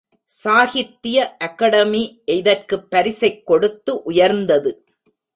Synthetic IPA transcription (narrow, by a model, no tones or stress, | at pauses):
saːɣɪt̪ːɪjɐʔɐkɐɽɐmiʔɛðɐrkɯpːɐɾɪsɐɪkːɔɽɯt̪ːɯʔʊjɐɾnd̪ɐðɯ